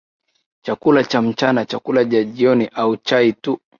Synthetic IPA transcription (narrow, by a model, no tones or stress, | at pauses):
t͡ʃakulat͡ʃam̩t͡ʃanat͡ʃakulaʄaʄiɔniʔaut͡ʃaitu